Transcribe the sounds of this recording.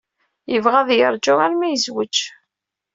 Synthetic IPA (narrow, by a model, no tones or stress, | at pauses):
jəvʁæðˤjəɾˤd͡ʒʊʁaɾmæjəzwət͡ʃː